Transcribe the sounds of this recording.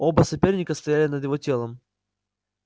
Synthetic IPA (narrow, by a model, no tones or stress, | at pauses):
obəsɐpʲernʲɪkəst̪ɐjælʲɪnəd̪jɪvo̞tʲe̞lˠəm